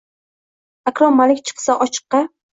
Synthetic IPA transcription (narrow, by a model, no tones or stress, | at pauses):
akɾɒmːalɪkʲt͡ʃʰɨ̥qsaʔɒt͡ʃʰɨ̥qːɑ